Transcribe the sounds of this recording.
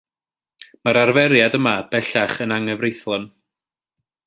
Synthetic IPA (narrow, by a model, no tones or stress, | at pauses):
maɾarvɛɾjadəmab̥ɛɬaχənaŋɛvrejθlˠɔn